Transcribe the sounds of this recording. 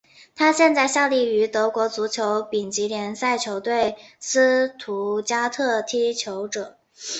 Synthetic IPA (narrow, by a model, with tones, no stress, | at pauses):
t̪ʰa˥ɕjɛ˥˧nt͡sa˥˧ɪɕja˥˧li˥˩y˧˥t̪ɤ˧˥kwɔ˧˥t͡su˧˥t͡ɕʰjo˧˥ʊpi˨˩ŋt͡ɕi˧˥ljɛ˧˥nsa˥˩ɪt͡ɕʰjo˧˥ʊt̪we˥˩ɪsɹ̩˥t̪ʰu˧˥t͡ɕja˥t̪ʰɤ˥˩t̪ʰi˥t͡ɕʰjo˧˥ʊʈ͡ʂɤ˨˩˦ŋ